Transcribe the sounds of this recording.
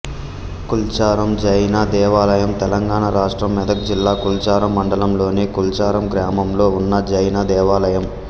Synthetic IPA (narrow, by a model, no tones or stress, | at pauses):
kult͡ʃaːɾɐmd͡ʒɐjnaːd̪ɛːʋaːlɐjɐmt̪ɛlɐŋɡaːɳɐɾaːʂʈɾɐmːɛd̪ɐk̚d͡ʒilːaːkult͡ʃaːɾɐmːɐɳɖɐlɐmlo̞ːneːkult͡ʃaːɾɐmɡɾaːmɐmlo̞ːunːɐd͡ʒɐjnɐd̪ɛːʋaːlɐjɐm